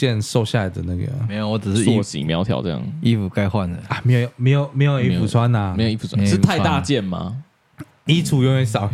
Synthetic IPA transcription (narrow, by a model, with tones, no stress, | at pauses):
jɛ˥˨nʂo˥˧ʊɕja˥˨la˨˩ɪd̪ə̰˨˩na˥˩ɡə̰˨˩me˦˥jo˨˩wɔ˥˩ʈ͡ʂ̩˨˩ʂ̩˥˧i˥˧t͡ɕḭ˨mjɑ˧˥ʊt̪ʰjɑ̰˨˩ʊʈ͡ʂɤ˥˧jɑ̰˥ŋi˥˩fu˨˩ka˥ɪxwa˥˩nə˨˩a˨˩m˧˦˥ɪjo˨˩jo˨me˧˦ɪjo˨ʊme˧˥ɪjo˨˩i˥fu˨˩t͡sʰwa˦na˨e˧˦jo˨˩i˥˩fu˨˩t͡sʰa˥ʂ̩˥˧t̪ʰa˥˧ɪt̪a˥˧t͡ɕjɛ˥˨˩nma̰˨ | i˥t͡sʰu˨˩jo˥˧ŋɛ˧˥sɑ˨˩ʊ